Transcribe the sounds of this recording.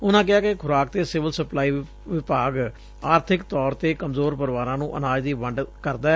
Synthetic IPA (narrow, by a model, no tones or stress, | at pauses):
ʊnãːk̬ɪaːkɪkʰʊɾaːk̚t̪eːsɪʋəlsəplaːiː | ʋɪpaːɡ | aːɾt̪ʰɪkt̪ɔːɾt̪eːkəmzoːɾpəɾɪʋaːɾãːnũːʔənaːd͡ʒd̪iːʋəɳɖkəɾd̪aː